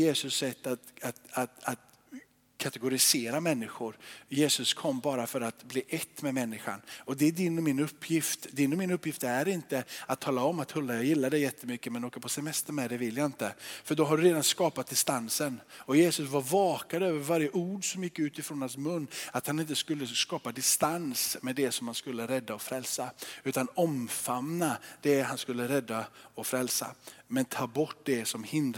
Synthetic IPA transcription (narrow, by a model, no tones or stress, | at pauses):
jeːsɵsːɛt̪ːat̪at̪at̪at̪ | kʰat̪ɛɡʊɾɪseːɾamɛnːɪɧʊɾjeːsɵskʰɔmːbɑːɾafœɾat̪bliːʔɛt̪ːmɛmɛnːɪɧa̰nɔd̪ɛæɖɪnːɔmɪnɵpʰːjɪft̪d̪ɪnːɔmɪnɵpːjɪft̪æɾɪnt̪əat̪ʰːɑːlaɔmːat̪hɵlːajajɪlːad̪ɛjɛt̪ʰːəmʏkːəmɛnoːkapʰɔsɛmɛst̪əɾmɛd̪ɛvɪlːjaɪnt̪əfœɖɔɦaɖɵɾeːd̪anskɑːpat̪̚d̪ɪst̪ansənɔjeːsɵsvaɾvɑːkad̪øːvəɾvaɾjəʔuːɖsɔmjɪkːʉ̟ːt̪ɪfɾɔːnhansmɵnːat̪hanɪnt̪əskɵlːəskɑːpad̪ɪst̪ansmɛd̪ɛsɔmhanskɵlːəɾɛd̪ːaɔfɾɛlsaʉ̟ːt̪anɔmfamnad̪̥ɛɦanskɵlːəɾɛd̪ːaɔfɾɛlsa̰mɛnt̪ʰɑːbɔʈːd̪ɛsɔmhɪnd̪